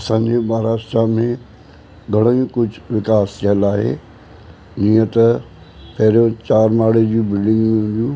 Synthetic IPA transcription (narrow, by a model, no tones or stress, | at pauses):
ɐsãːɲd͡ʑebaːɾaːʃʈɾamẽ | ɡʱɐɽ̃əũkʊd͡ʑʱʊʋɪkaːst̪ʰiəlaːɦḛː | d͡ʑiːə̃t̪ɐ | pɐɦɪɾjõt͡ɕaːɾmaːɽed͡ʑũːbɪlɖɪ̃ŋɡmɪ̃ɦʊ̃nd̪ijũː